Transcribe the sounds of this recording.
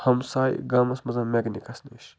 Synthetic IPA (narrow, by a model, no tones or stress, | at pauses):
hɐmsaːjɡamɐsmɐzɐmeɡnikɐsneʃ